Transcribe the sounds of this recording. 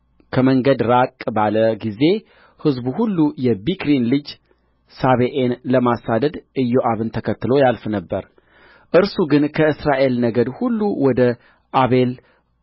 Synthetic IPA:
kʰəməŋɡəd̪ɾakʼbaləɡize̞ | hɨzbuhulːujɛbikɾinlɨd͡ʒ | saβeʔenləmasad̪əd̪ʔɨjːoʔaβɨnt̪ʰəkʰət̪ːɨlo̞jalfnəbːə̰ɾ | ʔɨɾsuɡɨnkʰəɨsɾaʔe̞lnəɡəd̪hulːuwɔd̪ə | ʔaβe̞l

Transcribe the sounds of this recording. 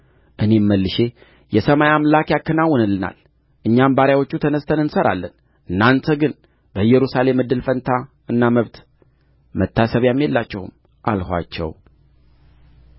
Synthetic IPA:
ʔɨne̞mːəlːɨʃe̞ | jɛsəmajamlakjakːənawːɔnɨlːɨna̰l | ʔɨɲːambaɾjawo̞t͡ʃːut̪ʰənəst̪ʰənɨnsəɾa̰lːən | ʔɨnːant̪ʰəɡɨn | bəɨjɛɾusale̞mːɨd̪ːɨlfənt̪ʰa | ɨnːaməβt̪ | mət̪ʰːasəβjamːjelːat͡ʃːɛhṵm | ʔalhʷa̰t͡ʃːɛ̰w

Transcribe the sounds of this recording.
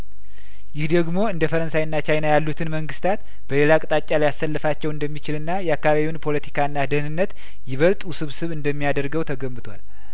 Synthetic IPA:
jɪhd̪əɡmo̞ɨnd̪əfəɾənsajɨnːat͡ʃʰajnajalːut̪ʰɨnməŋɡɨst̪ʰat̪ | b̥əle̞lakʼɨt̪ʼat͡ʃʼːaljasːəlːəfat͡ʃːɛwɨnd̪əmːit͡ʃɪlɨnːajɛakːaβaβiwunpʰo̞lət̪ʰi̥kʰaɨnːad̪ɨhɨnɨnːət̪ | jɪβəlt̪ʼusɨβsɨβɨnd̪əmːijad̪əɾɡəwt̪ʰəɡəmːɨt̪ʰwa̰l

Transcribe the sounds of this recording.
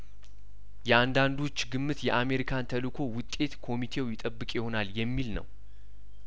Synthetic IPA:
jɛand̪and̪ot͡ʃːɡɨmːɨt̪jɛʔame̞ɾikʰant̪ʰəlɨkʰo̞wʊt̪ʼːe̞t̪kʰo̞mit̪ʰe̞wjɪt̪ʼəbːɨkʼjɪho̞naljɛmːilnə̰w

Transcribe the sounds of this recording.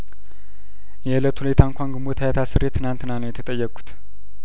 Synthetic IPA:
jɛlət̪hulet̪ʰaɨŋkʷaŋɡɨmbot̪ʰajat̪ʰasɨɾet̪ʰːɨnant̪ɨnanəwjɛt̪ʰət̪ʼəjːɛkʼːu̥t̪

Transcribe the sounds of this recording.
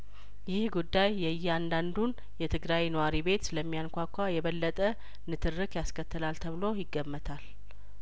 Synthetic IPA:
jɪhɡud̪ːajːɛjːɪand̪and̪un | jɛt̪ʰɨɡɾawnəwaɾibe̞t̪ləmːijankʷakʰʷːajɛβəlːət̪ʼə | nɨt̪ʰɨrːɨkjaskʰət̪ːɨlalt̪ʰəβɨlo̞jɪɡːəmːət̪ʰal

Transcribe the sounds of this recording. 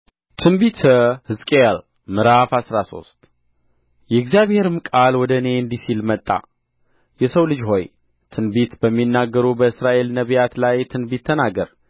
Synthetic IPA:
t̪ʰɨnbit̪ʰəhɨzkʼeal | mɨɾafasɾaso̞̰st̪ʼ | jɛɨɡzijaβhe̞ɾɨmkʼalwɔd̪əne̞ɨnd̪isilmət̪ʼːa̰ | jɛsəwlɨd͡ʒɦo̞j | t̪ʰɨnbit̪bəmːinːaɡːəɾubəɨsɾaʔe̞lnəβijat̪lajt̪ʰɨnbit̪ʰːənaɡəɾ

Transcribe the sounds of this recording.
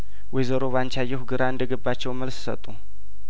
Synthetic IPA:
wɛjzəɾo̞βant͡ʃajːɛhuɡɨɾaɨnd̪əɡəbːat͡ʃːɛwməlssə̰t̪ʼːu

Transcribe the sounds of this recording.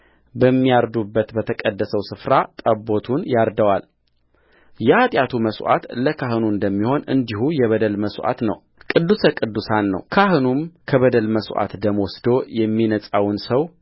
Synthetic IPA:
bəmːijaɾd̪ubːət̪bət̪ʰəkʼəd̪ːəsəwsɨfɾat̪ʼəbo̞t̪ʰunjaɾd̪əwal | jɛʔat̪ʼjat̪ʰuməswʔa̰t̪ləkʰaɦɨnuɨnd̪əmːiho̞nɨ̰nd̪ihujɛβəd̪əlməsʔa̰t̪nə̰w | kʼɨd̪ːusəkʼɨd̪ːusanːə̰wkʰaɦɨnumkʰəβəd̪əlməsʔa̰t̪d̪əməwɔsd̪o̞jɛmːinəsʼawnsəw

